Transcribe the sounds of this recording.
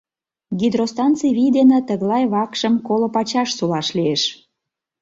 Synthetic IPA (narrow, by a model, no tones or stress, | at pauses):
ɡʲid̪rost̪ɑnt͡siβijd̪enĕt̪əɣlɑjβɑkʃəmkolopɑt͡ɕɑʃsulɑʃlieʃ